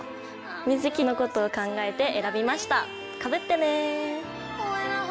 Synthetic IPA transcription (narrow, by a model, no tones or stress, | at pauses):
mʲizɨkʲino̞ko̞t̪o̞ːkãŋɡae̞t̪e̞ʔeɾabʲimaɕi̥t̪a | kabɯ̟t̪ːe̞ne